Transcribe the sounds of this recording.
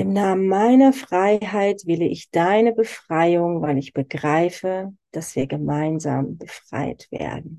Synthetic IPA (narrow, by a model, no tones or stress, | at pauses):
ʔɪmnaːmənmaɪnɐfʁ̥aɪɦaɪtv̥ɪləʔɪçd̥aɪnəbəfʁ̥aɪʊŋvaɪlɪçb̥əɡʁaɪfəd̥asv̥iːɐɡəmaɪnza̰ːmbəfʁ̥a̰ɪtv̥ḛːɐdn̩